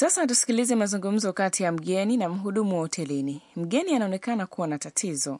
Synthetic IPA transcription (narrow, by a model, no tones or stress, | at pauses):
sasatusi̥kilizɛmazuŋɡum̩zɔkatijam̩ɠɛninam̩ɦuɗumuwaɔtʰɛlinim̩ɠɛnianaɔnɛkanakuwanatatʰizɔ